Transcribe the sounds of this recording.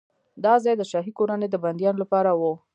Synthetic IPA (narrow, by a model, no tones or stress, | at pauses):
d̪ɑzɑjd̪əʃɑɦikoɾaned̪əband̪jɑnolapɑɾawo